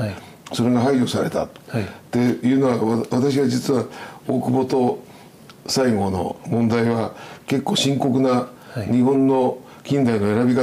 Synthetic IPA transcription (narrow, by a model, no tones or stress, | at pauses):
so̞ɾe̞ɡaɦaio̞saɾe̞t̪a̰t̪t̪ːe̞jɯ̟ːno̞βaβat̪aɕ̬iβad͡ʑit͡sɨβaoːkɯ̟bo̞t̪o̞ | saiɡo̞no̞̰mõ̞nd̪aiβake̞kːo̞ːɕĩŋko̞kɯ̟na | ɲ̟iɦõ̞nːo̞ | kʲĩnd̪aino̞eɾabʲika